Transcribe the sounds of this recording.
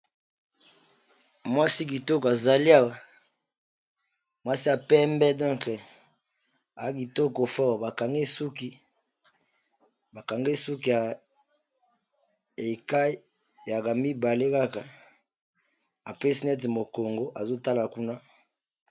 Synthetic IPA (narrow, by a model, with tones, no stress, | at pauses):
mwa˦si˦k̬i˨tɔ˦ka˨za˨li˦a˨wa˨ | mwa˦si˦a˨pɛ˦mbɛ˦dɔ̃˦ŋk | a˨˦ki˨tɔ˦ko˨fa˦˨wba˨ka˨ŋɡe˦su˦ki˦ | ba˨ka˨ŋɡe˦su˦k̬i˦a˨ | e˨ka˦i˦˨ | ja˨ka˨mi˦ba˨le˦ka˦ka˨ | a̰˨pe˦si˦nɛ˦t̬mo˨ko˨ŋɡo˦ʔa˨zo˦ta˦la˨ku˦na˦